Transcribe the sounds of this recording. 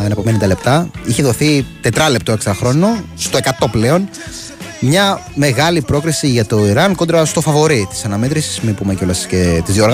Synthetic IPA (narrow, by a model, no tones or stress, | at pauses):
enɐpomenind̪ɐle̞pt̪ɐiçeðoθit̪e̞t̪ɾɐlep̚t̪okseɾɐxɾo̞nost̪o̞e̞kɐt̪o̞ple̞o̞n | mɲɐ | me̞ɣɐlipɾo̞kɾisiʝɐt̪o̞iɾɐnko̞nd̪ɾɐst̪o̞fɐvo̞ɾit̪i̥sɐnɐmet̪ɾisi̥smipumeceo̞lɐscet̪izðjoɾɣ